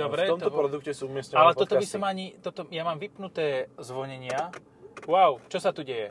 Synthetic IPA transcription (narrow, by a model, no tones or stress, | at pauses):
d̪ɔbɾɛɔmt̪ɔpɾɔd̪ukcɛsuumɪɛscɛalɛt̪ɔt̪ɔbisɔmaɲit̪ɔt̪ɔjamaːmʋipnut̪ɛːzʋɔɲɛɲɪa | waʊt͡ʃɔsat̪uɟɛjɛ̰